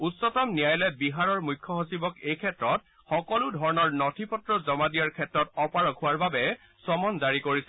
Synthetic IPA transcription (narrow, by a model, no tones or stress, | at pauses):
utsɔtamnijajlɛbiɦaɹɔɹmujkʰːjɔɦosibɔkejkʰɛtɹɔt̚ | xɔkɔlʊdʱɔɹɔnɔɹnɔtʰipɔtɹɔzɔmadijaɹkʰɛtɹɔtɔpaɹɔkʰʊwaɹbabɛ | sɔmɔnzaɹikoɹisɛ